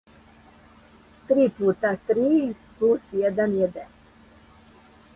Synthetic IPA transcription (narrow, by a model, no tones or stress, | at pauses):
t̪ɾiːput̪at̪ɾiː | plusjɛd̪anjɛd̪ɛs